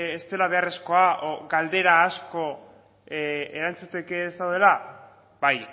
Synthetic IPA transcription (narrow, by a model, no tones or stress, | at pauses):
est̪e̞laβ̞e̞are̞sko̞aʔoɡald̪e̞ɾaːsko̞ | eɾant͡sut̪e̞ke̞ːst̪awðe̞la | baj